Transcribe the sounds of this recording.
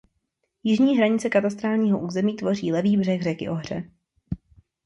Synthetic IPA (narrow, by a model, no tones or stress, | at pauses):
jɪʒɲiːɦɾaɲɪt͡sɛkat̪ast̪ɾaːlɲiːɦo̞ʔuːzɛmiːt̪vo̞riːlɛviːbr̝ɛɣrɛkɪ̰ʔo̞ɦr̝ɛ̰